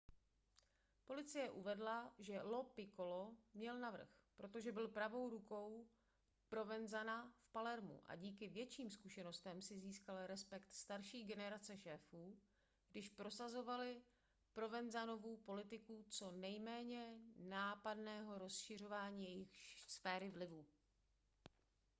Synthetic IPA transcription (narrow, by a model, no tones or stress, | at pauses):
po̞lɪt͡sɪjɛʔuvɛdlaʒɛlo̞pɪko̞lomɲɛlnavr̩xpɾo̞t̪o̞ʒɛbɪlpɾavo̞wɾuko̞w | pɾo̞vɛnzanafpalɛɾmṵʔa̰ɟiːkɪvjɛt͡ʃiːmskuʃɛno̞st̪ɛmsɪziːskalɾɛspɛkt̪st̪aɾʃiːɡɛnɛɾat͡sɛʃɛːfuː | ɡ̥dɪʃpɾo̞sazo̞valɪ | pɾo̞vɛnzano̞vuːpo̞lɪt̪ɪkut͡so̞nɛjmɛːɲɛnaːpadnɛːɦo̞ɾo̞sʃɪr̝o̞vaːɲiːjɛjɪxsfɛːɾɪvlɪvu